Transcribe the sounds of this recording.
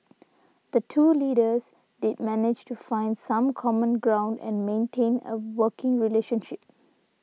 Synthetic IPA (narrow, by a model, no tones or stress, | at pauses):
d̪̥ətʰuːliːɾəz | dɪd̚mænɪd͡ʒtufãɪ̃ndsãmkʰɔmə̃nɡɹãʊ̃nɖɛ̰̃nmẽnʈʰẽːnə̰wəːkɪ̃ŋɹileːʃə̃nʃɪp̚